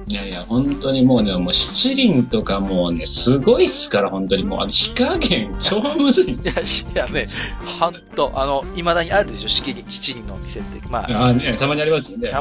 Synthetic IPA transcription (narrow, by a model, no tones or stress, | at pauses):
jajahõ̞nt̪o̞ɲ̟imo̞ːnemoːɕi̥t͡ɕiɾʲĩnt̪o̞kamo̞ːne̞sɨɡo̞isɨ̥kaɾahõ̞nt̪o̞ɲ̟imo̰ːʔa̰noɕi̥kaɡẽ̞ŋt͡ɕo̞ːmɯ̟zɨiḁjanehõnt̪o̞ʔano̞imad̪aɲ̟iaɾɯ̟d̪e̞ɕo̞ɕi̥kʲiɾʲĩt͡ɕi̥t͡ɕiɾʲĩnːoːmʲise̞t̪ːema̰anet̪amaɲ̟iaɾʲimasɨjonːe̞